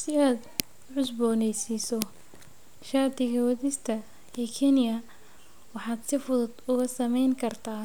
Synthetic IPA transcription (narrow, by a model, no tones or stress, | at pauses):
sɪaːd̪ | ʕʊsbɔːnɛjsisɔ | ʃaːd̪ɪɣɐwɐðɪst̪ʰɐ | ɛːkʰɛnɪjɐ | wɑħɑːd̪sɪfʊðʊd̪ʊɣɐsɐmɛjŋkʰɐrt̪ʰaː